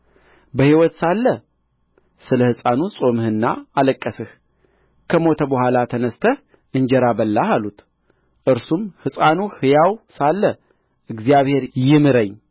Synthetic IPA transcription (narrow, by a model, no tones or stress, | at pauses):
bəhiwɔt̪salːə | sɨləhɨsʼanusʼo̞mɨhɨnːa̰aləkʼːəsɨh | kʰəmo̞t̪ʰəbəhʷalat̪ʰənəst̪ʰəh | ʔɨɲd͡ʒɛɾabəlːahalut̪ | ʔɨɾsumhɨsʼanuhɨjawsalːə | ʔɨɡzjaβhe̞ɾjɪmɨɾəɲː